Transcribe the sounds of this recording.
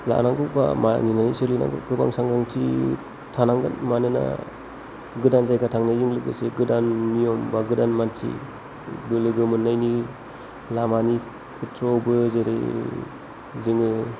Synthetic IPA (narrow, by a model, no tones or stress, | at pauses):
la̰naŋɡɯba̰ma̰ninanisilɯna̰ŋɡɯ̰kʰɯba̰ŋsaŋɡaŋtʰi | tʰanaŋɡɯ̰nmanɯna̰ | ɡɯdanzajɡatʰaŋnajziŋlɯɡɯ̰seɡɯdanmijɔmbaɡɯdanmantʰḭ | bɯlɯɡɯmɯnːajni | lamani | kʰɯtʰɾɔbɯzeɾḛ | ziŋɯ